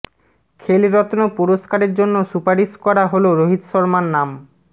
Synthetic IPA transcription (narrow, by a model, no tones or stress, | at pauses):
kʰeliɾɔt̪onopuɾoskaɾeɾd͡ʑonːosupaɾiʃkɔɾaɦoloɾoɦit̪ʃɔɾmanːam